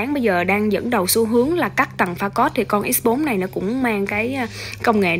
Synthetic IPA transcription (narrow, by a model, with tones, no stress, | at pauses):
ŋɓə˧jzəː˨˩ɗaː˧ŋzə̰˧˥nɗə˨˩wso˨˦ɦɨ˨˦əŋlaː˨˩kaː˦˥k̚t̪ə˨˩ŋfaː˧kɔ˦˥t̚t̪ʰi˨˩kɔ˧nʔi˦˥t̚ɓo˨˦nna˨˩jnɔ˨˦kʊ̰˧˥ŋ͡mmaː˧ŋkaː˨˦jkə˧wŋ͡mŋḛ˧˨